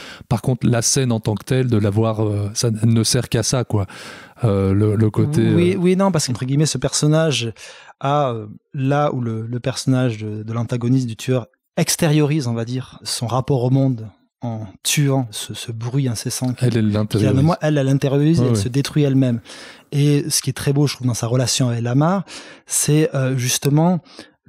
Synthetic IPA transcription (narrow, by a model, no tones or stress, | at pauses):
paʁkɔ̃t̪χlasɛnɑ̃t̪ɑ̃kt̪ɛld̪əlavwaʁøsaɛlnəsɛʁkasakwaølələkot̪ʰewiwinɔ̃paʁskɑ̃t̪χəɡʲimɛsəpɛʁsɔnaʒaølaulələpɛʁsɔnaʒd̪əd̪əlɑ̃t̪aɡɔnis̬md̪yt̪ʰyœʁ | ɛkst̪eʁjɔʁizɔ̃vad̪iʁsɔ̃ʁapɔʁomɔ̃d̪ | ɑ̃t̪yɑ̃səsəbʁɥiɛ̃sɛsɑ̃kʲiɛlɛɛ̃t̪ɛnɔ̃mwaʔɛlɛlɛ̃t̪eʁjɔʁizeɛlsəd̪et̪χɥiɛlmɛmesə̥kʲiɛt̪χɛboʒət̪χuvd̪ɑ̃saʁəlasjɔ̃avɛklamaʁsɛøʒyst̪əmɑ̃